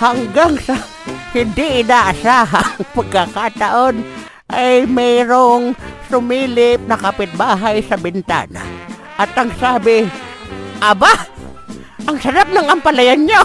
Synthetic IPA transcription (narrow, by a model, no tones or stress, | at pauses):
haŋɡaŋsɐ | hɪnd̪ɪʔɪnaʔɐsaːɦaŋpɐɡ̚kakat̪aʔon | ʔajmɛɾoŋsʊmiːlɪp̚nɐkapɪt̪̚baːɦajsɐbɪnt̪a̰ːna̰ | ʔɐt̪ɐŋsaːbɪ | ʔɐba | ʔɐŋsɐɾap̚nɐŋɐmpɐlɐjanɲo